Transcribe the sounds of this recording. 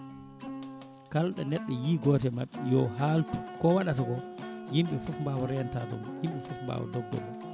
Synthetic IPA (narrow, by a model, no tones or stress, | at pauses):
kalɗanɛɗːɛjiːɡɔːtɛmaɓːɛjɔɦaltu̥kɔwaɗataɡɔjimɓɛfɔfmbaːwɔɾɛjantaːtɔ̰mjimɓɛfɔfmba̰ːwɔ̰dɔɡ̚dɔ̰m